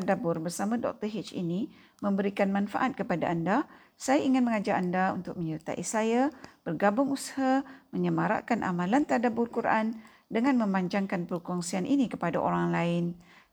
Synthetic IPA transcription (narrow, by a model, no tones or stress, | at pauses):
adabʊrbərsamãdɔ̰k̚t̪əɦit͡ʃḭni | mə̃mbəɾikanmãnfa̰ʔat̪̚kəpadaanda | sajaiŋɪnməŋad͡ʒaandaṵnt̪ʊk̚mə̃ɲəɾit̪a̰ʔisajab̥ərɡabʊŋushaməɲəmaɾa̰ʔkanʔa̰mãlant̪adabʊrkuɾʔa̰n | dəŋãnmə̃maɲd͡ʒaŋkanpəɾkɔŋsianʔinikə̥pada̰ʔo̰ɾaŋlaɪn